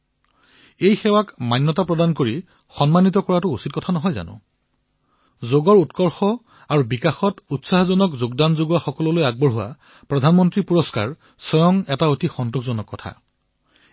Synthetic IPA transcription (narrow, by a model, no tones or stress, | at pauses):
ejxɛwakmanːɔtapɹɔdankoɹi | xɔnmanitɔkɔɹatʊusitkɔtʰanɔɦɔjza̰nʊ̰̃ | zoɡɔɹutkɔɹxɔ | aɹubikaxɔtutsaɦzɔnɔkzoɡdanzoɡwaxɔkɔlɔlojaɡ̚bɔɹɦʊwa̰ | pɹɔdʱanmɔntɹipuɹɔska̰ɹ | sɔjɔŋɛtaotixɔntukʰzɔnɔkːɔtʰa̰